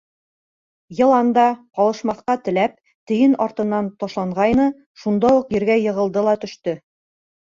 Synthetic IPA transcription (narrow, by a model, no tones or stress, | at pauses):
jɤ̆lˠɑnd̪ɑqɒlˠɤ̆ʃmɑθqɑt̪ɘ̆læp̚ | t̪ɘ̆jɘnɒɾt̪ɤ̆nːɑnt̪ɒʃlˠɑɴʁɑjnɤ | ʃund̪ɑuqjɘ̆ɾɡæjɤ̆ʁɤ̆lˠd̪ɤlˠɑt̪ɵ̆ʃt̪ɵ